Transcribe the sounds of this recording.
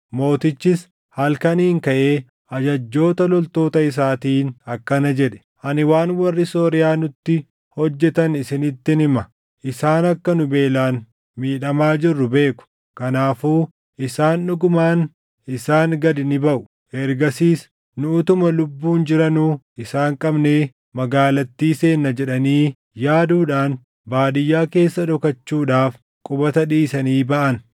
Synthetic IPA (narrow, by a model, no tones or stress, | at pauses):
mo̞ːt̪ɪt͡ʃːɪs | hɐlkɐniːŋkɐʔeː | ʔɐd͡ʒɐd͡ʒːo̞ːt̪ɐlɔlt̪o̞ːt̪ɐɪs̬aːt̪iːnɐkːɐnɐd͡ʒɛᶑɛ̥ | ʔɐnɪwaːnwɐrːɪso̞ːɾɪjaːnʊt̪ːɪ | hɔd͡ʒːɛt̪ɐnɪsɪnɪt̪ːɪnɪmɐ | ʔɪsaːnɐkːɐnʊbe̞ːlaːn | miːᶑɐmaːd͡ʒɪrːʊbe̞ːkʊ̥ | kɐnaːfuː | ʔɪsaːnᶑʊɡʊmaːn | ɪsaːŋɡɐd̪ɪnɪbɐʔʊ̥ | ʔɛɾɡɐsiːs | nʊʊt̪ʊmɐlʊbːuːnd͡ʒɪɾɐnuːʔɪsaːŋkʼɐbneː | mɐɡaːlɐt̪ːiːse̞ːnːɐd͡ʒɛᶑɐniː | jaːd̪uːᶑaːn | baːd̪ɪjːaːke̞ːsːɐᶑɔkɐt͡ʃːuːᶑaːf | kʼʊbɐt̪ɐᶑiːsɐniːbɐʔɐn